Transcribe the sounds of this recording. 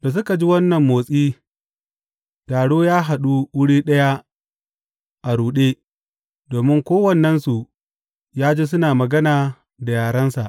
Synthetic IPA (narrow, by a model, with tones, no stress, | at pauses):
da˨s̬ʊ˦ka˨d͡ʒi˦wɐ˦nːɐ˨mːoː˨sʼiː˦ | taː˨ɽoː˦jaː˦ɦa˨ɗu˦wʊ˦ɽiː˦ɗɐ˦ja˦ | ʔa˨ɽuː˨ɗeː˦ | doː˨mɪ˦ŋkʷoː˦wɐ˨nːɐ˦nsu˨ | jaː˦d͡ʒeː˦s̬ʊ˦naː˨mɐ˨ɡɐ˦naː˨ | da˨jaː˨ɽɐ˦nsa̰˨ʔ